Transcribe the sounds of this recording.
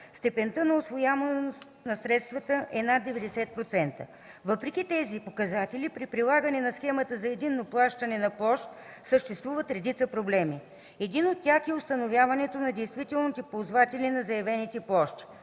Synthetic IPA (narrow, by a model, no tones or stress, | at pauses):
st̪ɛpɛnt̪ənɐosvojamɐs | nɐsɾɛt̪st̪vət̪əʔɛnad̪ːɛvɛd̪ɛsɛt̪̚pɾot̪sɛnt̪ə̰ | vəpɾɛk̟it̪ɛzipokɐzat̪ɛlipɾipɾilˠaɡənɛnɐsxɛmət̪əzɐɛd̪inːoplˠaʃt̪ənɛnɐplˠɔʃt̪səʃt̪ɛst̪vuvət̪ɾɛd̪it̪səpɾoblɛmi | ɛd̪inot̪ːʲjaxɛost̪ɐnovʲjavɐnɛt̪onɐd̪ɛjst̪vit̪ɛlˠnit̪ɛpolˠzvat̪ɛlʲinɐzɐjɛvɛnit̪ɛplˠɔʃt̪i̥